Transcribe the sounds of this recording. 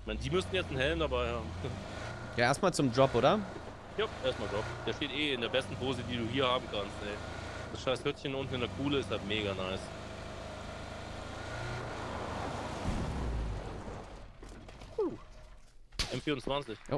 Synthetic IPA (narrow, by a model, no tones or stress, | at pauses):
çmaɪnədiːmʏstn̩jɛt͡stn̩hɛlmdabaɪhaːbm̩ | jaːʔeːɐstmaːlt͡sʊmdʁɔpʔoːɾdɐ | jaːʔeɐstmaːldʁɔp̚d̥eːʃteːtʔeːɪndeːɐbɛstn̩pʰoːzədiːduːhiːɐhaːbm̩kʰanstʔɛ | d̥asʃaɪshʏtçənʔʊntn̩ɪndeɐkʰuːləɪsthaltmeːɡanaɪs | uː | ʔɛmfiːʁʊnt͡sv̥ant͡sɪçʔo